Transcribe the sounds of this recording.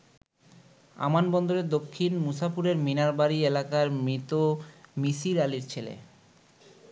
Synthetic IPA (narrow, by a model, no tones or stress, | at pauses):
a̰manbɔnd̪oɾed̪okʰːinmusafuɾeɾminaɾbaɾielakaɾmɾit̪omisiɾaliɾt͡ɕʰelḛ